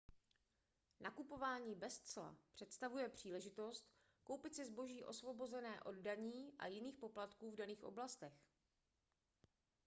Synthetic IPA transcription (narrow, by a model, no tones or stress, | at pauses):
nʔakupo̞vaːɲiːbɛst͡sla̰pr̝̥ɛt̪st̪avujɛpr̝̥iːlɛʒɪt̪o̞st̪ | ko̞wpɪt̪sɪzbo̞ʒiːʔo̞svo̞bo̞zɛnɛːʔo̞ddaɲiːʔa̰jɪniːxpo̞plat̪kuːvdaniːxʔo̞̰blast̪ɛx